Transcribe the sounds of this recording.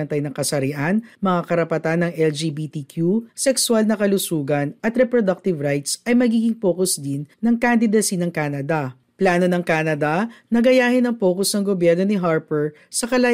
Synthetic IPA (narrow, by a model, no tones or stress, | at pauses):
ɐnt̪ɐjnɐŋkɐsɐɾɪʔanmɐŋakɐɾɐpɐt̪anːɐŋʔɛld͡ʒiːbit̪ikjusɛkswalnɐkɐlʊsuːɡɐnʔɐt̪ɾɛpɾod̪ɐk̚t̪ɪvɾajt̪sʔɐjmɐɡiːɡɪŋpo̞ːkosd̪ɪnːɐŋkand̪ɪd̪ɐsinɐŋkaːnɐd̪ɐ | plaːno̞nɐŋkaːnɐd̪ɐnɐɡɐjaːhɪnɐŋpo̞ːkosnɐŋɡobjɛɾno̞nɪɦaɹpɛɹ | sɐkɐlɐ